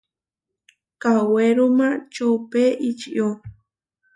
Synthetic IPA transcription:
kaweɾumãt͡ʃowpeʔit͡ʃiʔjo

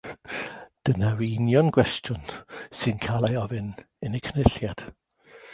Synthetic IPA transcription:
d̥ənaɾinjɔnɡ̥wɛstjʊnsɨnkʰaːlˠajɔvɨn | ɪnɪkʰnɪɬjad̥

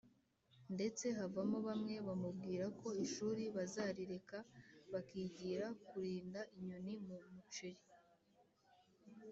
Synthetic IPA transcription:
nde̞t͡se̞ɦavamoβamŋe̞βamubɡiːɾako̞iʃuːɾiβazaːɾiɾe̞kaβakiːɟiːɾakuɾiːndaʔiɲonimumut͡ʃeɾi

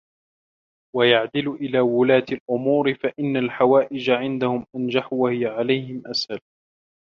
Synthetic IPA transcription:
wajaʕd̪ɪlʔɪlaːwʊlaːt̪alʔʊmuːɾɪfaʔɪnːalħawaːʔɪd͡ʒaʕɪnd̪ahʊmʔand͡ʒaħwahɪjaʕalajhɪmʔasal

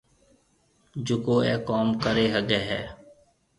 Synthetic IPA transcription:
d͡ʒʊkoːɛːkɔːmkəɾeːɦəɡeːɦɛː

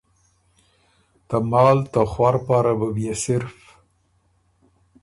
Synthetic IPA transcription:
t̪amɑːlt̪axwaɾpaɾabəbjasɪɾf

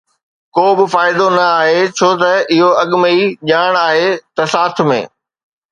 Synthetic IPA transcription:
koːbɪfaːɪd̪onɐaːɦet͡ɕʰoːt̪ɐɪɦoɐɠməiʄaːɽ̃aːɦet̪ɐsaːt̪ʰmḛ̃ː

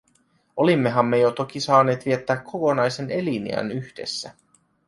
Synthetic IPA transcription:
o̞limːe̞ɦɑmːe̞jot̪o̞k̟isɑːneːt̪ʋiet̪ːæːkʰːo̞ko̞nɑjse̞ne̞linḭæ̰nyçd̥e̞̰sːæ

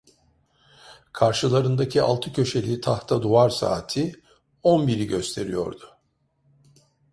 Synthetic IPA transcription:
kʰaɾʃɯlˠaɾɯnd̪acʰia̰lˠt̪ʰɯcʰø̞ʃe̞lʲit̪ʰaht̪ʰad̪uaɾsa̰ːt̪ʰi | ɔnbiɾiɟø̞st̪ʰe̞ɾijo̞̰ɾd̪ʊ

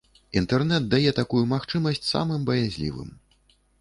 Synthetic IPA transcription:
int̪ɛrnɛt̪̚d̪ajɛt̪akujumaxt͡ʂɨmɐsʲt͡sʲsa̰mɨmbɐjazʲlʲḭvɨ̰m

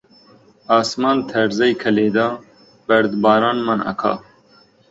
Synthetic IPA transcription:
aːsmaːnt̪ʰɐɾzɐjkʰɐleːd̪aː | b̥ɐɾd̪baːɾɑːnmɐnɐ̰kʰɑ̰ː

